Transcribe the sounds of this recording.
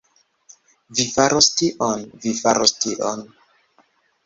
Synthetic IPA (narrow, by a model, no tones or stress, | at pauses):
vifaɾʔostiʔonvifaɾostiʔo̰n